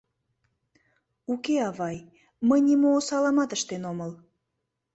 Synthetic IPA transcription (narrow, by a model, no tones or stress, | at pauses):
ukeɑβɑj | məjnimoːsɑlɑmɑt̪əʃt̪enoməl